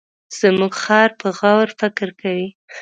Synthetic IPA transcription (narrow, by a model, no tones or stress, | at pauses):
z̥əmuɡxɑɾpəɣawɾfɪkɪɾkʰawi